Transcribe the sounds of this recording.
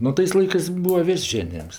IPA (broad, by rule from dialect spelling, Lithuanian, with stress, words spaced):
nʊ ˈtɐɪs ˈlˠɐɪkɜs ˈbuːʋɐ ˈʋʲeːsʲ ˈʒʲæːnʲɪjɛms